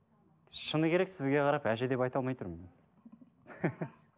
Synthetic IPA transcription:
ʃənəkʲʰe̞ɾe̞ksɪzɡʲe̞qʰɑɾɑpæʒe̞d̪e̞pɑjt̪ɑlˠmɑjt̪ʰʊɾm

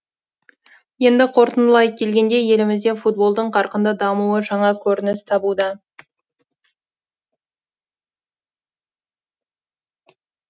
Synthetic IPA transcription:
je̞nd̪ɪqʰo̞ɾt̪ənəlˠɑj̚kʲʰe̞lɡʲe̞nd̪e̞je̞lɪmɪzd̪e̞fut̪̚bo̞lˠd̪əɴqʰɑɾqənd̪əd̪ɑmuəʒɑɴɑkʲʰɵɾɪnɪst̪ʰɑbud̪ɑ

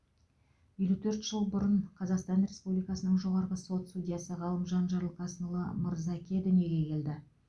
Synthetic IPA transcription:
je̞lut̪ʰɵɾt̪ʒ̥əlˠbʊɾəɴqʰɑzɑqst̪ɑnrʲe̞spublijkɑsənəɴʒo̞ʁɑɾʁəso̞t̪sudʲijasəʁɑlˠəmʒɑnʒɑɾlˠqʰɑsnəlˠəmʊɾzɑkʲʰed̪ɪme̞ɡʲe̞kʲʰe̞ld̪ɪ

